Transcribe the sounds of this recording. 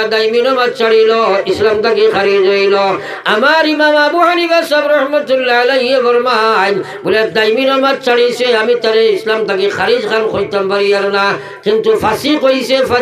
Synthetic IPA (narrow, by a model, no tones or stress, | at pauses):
d̪aiminomɐt̪̚t͡ʃɐɽiloislɐmt̪ɐkixɐɾid͡ʒoilo | ɐmaːɾimaːmaːbuɦanibasɐbɾɐhmɐt̪ulːaɐlɐieʋɐɾmaɦaimbulad̪aːiminomɐt̪̚t͡ʃɐɽiseɦɐmit̪ɐɾeislamt̪ɐkixɐɾid͡ʒxɐnkoit̪ɐmbɐɾijɐɾna | kint̪ufɐsikoisefɐ